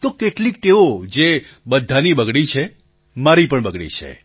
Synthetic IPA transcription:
t̪okeʈlik̚ʈeod͡ʒe | bəd̪ʱːanibəɡɽit͡ʃʰe | maɾipəɳbəɡɽḭt͡ʃʰḛ

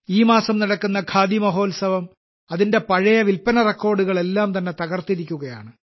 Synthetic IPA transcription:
iːmaːsɐmniɽɐkːunːɐkʰaːd̪imɐɦo̞ːlsɐʋɐm | ɐðinde̞pɐɻɐjɐʋilpɐnɐrekːo̞ːrɖuɣɐɭe̞lːaːmt̪ɐnːe̞t̪ɐɣɐrt̪iɾikʲːuɣɐja̰ːɳɨ

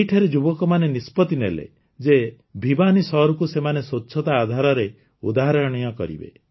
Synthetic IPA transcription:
jʈʰaɾed͡ʒubɔkɔmanenispɔt̪inelḛ | d͡ʒe | bʱibanisɔɾɔkusemanesoːʃʰɔt̪aːd̪ʱaɾɔɾe | ṵd̪aɦaɾɔɾɽ̃ɔjɔkɔ̰ɾḭbḛ

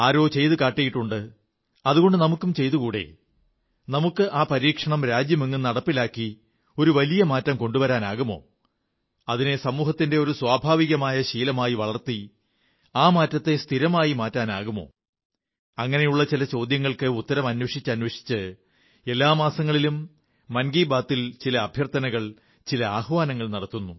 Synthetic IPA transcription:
aːɾo̞ːt͡ɕe̞jt̪ukaːʈːijiʈːuɳɖɨ | ɐðuɣo̞ɳɖɨnɐmukːumt͡ɕe̞jt̪ukuːɽe̞̰ | nɐmukːɨʔaːpɐɾiːkʂɐɳɐmɾaːd͡ʑjɐmeŋːunːɐɽɐpːilaːkːi | o̞ɾuʋɐlijɐmaːtːɐmko̞ɳɖuʋɐɾaːnaːɣumo̞̰ː | ɐðine̞sɐmuːɦɐt̪ːinde̞o̞ɾuswaːbʱaːʋiɣɐmaːjɐɕiːlɐmaːjiʋɐɭɐrt̪i | aːmaːtːɐt̪ːe̞st̪ʰiɾɐmaːjimaːtːaːnaːɣumo̞̰ː | ɐŋːɐne̞juɭːɐt͡ɕilɐt͡ɕo̞ːd̪jɐŋːɐɭkɨut̪ːɐɾɐmɐnːwɐʂit͡ɕːɨɐnwɐʂi̥t͡ɕːɨ | e̞lːaːmaːsɐŋːɐɭilumː | ɐnɡiːbaːt̪ːilt͡ɕilɐːbʱjɐrt̪ɐnɐɣɐɭ | t͡ɕilɐaːhʋaːnɐŋːɐɭnɐɽɐt̪ːunːu

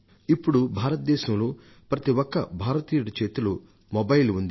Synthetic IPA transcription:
ipːuɽubʱaːɾɐt̪̚d̪ɛːʃɐmloː | pɾɐt̪iwɔkːɐbʱaːɾɐt̪iːjuɽɐt͡ʃeːt̪ulu | mɔbɐjlund̪i

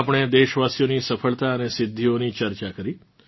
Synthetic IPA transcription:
pəɳ̃ed̪eʃʋasijonisəfʰəɭt̪aənesɪd̪ʱːionit͡ʃəɾt͡ʃakəɾi

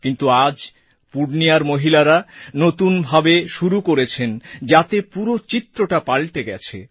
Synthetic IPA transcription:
kint̪uad͡ʑ | puɖnijaɾmoɦilaɾanot̪unbʱabeʃuɾukoɾet͡ɕʰend͡ʑat̪epuɾot͡ɕit̪ːɾoʈapalʈ̪eɡɛ̰t͡ɕʰḛ

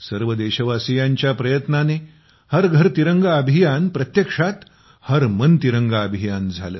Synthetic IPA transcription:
səɾʋəd̪eɕəʋasijãɲt͡ɕjapɾəjət̪nane | həɾɡʱəɾt̪iɾəŋɡaəbʱijanpɾət̪jekʂat̪ | həɾmənt̪iɾəŋɡaəbʱijand͡zʱa̰lə̰ː

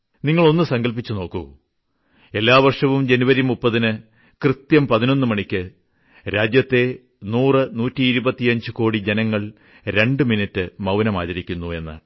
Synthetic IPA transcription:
niŋːɐɭo̞nːɨsɐŋɡɐlp̬it͡ɕːuno̞ːkːu | e̞lːaːʋɐrʂɐʋumd͡ʑe̞nuʋɐɾjimːupːɐðinɨ | krɨt̪jɐmpɐðino̞nːɨmɐɳikʲːɨ | ɾaːd͡ʑjɐt̪ːe̞ | nuːrɨnuːtːiːɾubɐt̪ːijɐɲd͡ʑɨko̞ːɽid͡ʑenɐŋːɐɭ | ɾe̞ɳɖɨminitːɨmɐwnɐma̰ːðɐɾikʲːunːue̞nːɨ̰

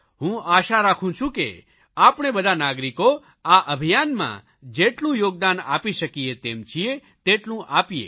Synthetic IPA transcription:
ɦũaːʃaɾaːkʰũt͡ʃʰũkḛ | aːpɽ̃ebəd̪ʱanaːɡɾiko | aʔəbʱijaːnmã̰ | d͡ʒeːʈlũjoːɡ̚d̪aːna̰ːpiʃəkijet̪eːmt͡ʃʰie | t̪eːʈlũʔaːpijḛː

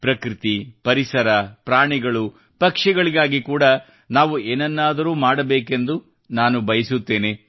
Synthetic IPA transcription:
pɾɐkɾit̪ipɐɾisɐɾɐpɾaːɳiɡɐɭu | pɐkʂɛɡɐɭiɡaːɡikuːɽɐ | naːʋueːnɐnːaːd̪ɐɾuːmaːɽɐbeːke̞nd̪u | naːnubɐjɐsut̪ːe̞ːne

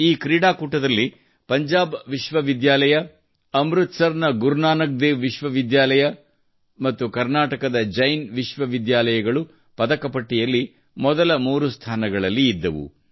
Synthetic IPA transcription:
iːkɾiːɽaːkuːʈːɐd̪ɐlːi | pɐɲd͡ʒaːbʋiʃʋɐʋid̪jaːlɐjɐ | ɐmɾut̪sɐɾnɐɡuɾnaːnɐk̚d̪eːʋʋiʃʋɐʋid̪jaːlɐjɐ | mɐt̪ːukɐɾnaːʈɐkɐd̪ɐd͡ʒɐjnʋiʃʋɐʋid̪jaːlɐjɐɡɐɭu | pɐd̪ɐkɐpɐʈːijɐlːi | mɔd̪ɐlɐmuːɾust̪ʰaːnɐɡɐɭɐlːiːd̪ːɐʋṵ

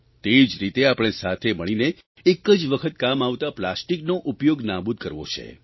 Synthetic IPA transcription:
t̪eid͡ʒɾit̪eapəɽ̃esat̪ʰeməɭ̃ine | ekəd͡ʒʋəkʰət̪kamaʋt̪aplasʈiknoʔupjoɡnabud̪̚kəɾʋo̰t͡ʃʰḛ

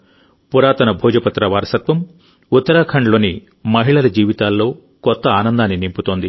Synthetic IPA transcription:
puɾaːt̪ɐnɐbʱɔːd͡ʒɐpɐt̪ːɾɐʋaːɾɐsɐt̪ʋɐm | ut̪ːɐɾaːkʰɐɳɖɐlo̞ːni | mɐɦiɭɐlɐd͡ʒiːʋit̪aːlːo̞ː | kɔt̪ːɐaːnɐnd̪aːnːinimput̪oːnd̪i

